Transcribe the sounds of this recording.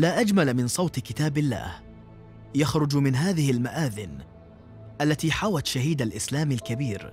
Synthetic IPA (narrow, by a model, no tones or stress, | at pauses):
laːʔad͡ʒmalmɪnsˤɑwt̪kɪt̪aːbɪlːa̰ːh | jaxɾʊd͡ʒmɪnɦaːðɪhɪlmaʔaːðɪn | ʔalːat̪iːħawat̪ʃaɦiːd̪alʔɪslaːmalkabiːɾ